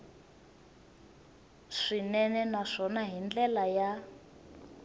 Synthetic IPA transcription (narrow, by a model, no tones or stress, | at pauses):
ʂinɛnɛnaʂɔnaɦind͡ɮɛlaja